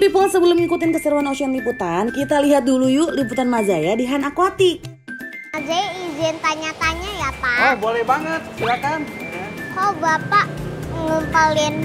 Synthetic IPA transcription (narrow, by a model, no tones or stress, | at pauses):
pɾipɔlsəbəlʊmikut̪ɪnkəsəɾuanasianliput̪ankit̪aliɦat̪̚dulujuliput̪anmad͡ʒajadiɦanakuat̪i | mad͡ʒajaizɪnt̪aɲat̪aɲajapaabolɛhbaŋət̪̚siakankawbapaʔŋəmpalɛn